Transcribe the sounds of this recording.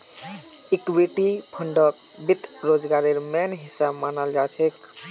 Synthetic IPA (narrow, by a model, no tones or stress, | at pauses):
ikwiʈipʰəɳɖək̚ | bit̪ɾod͡ʒɡaɾeɾmɛnɦisːabmanald͡ʒat͡ʃʰek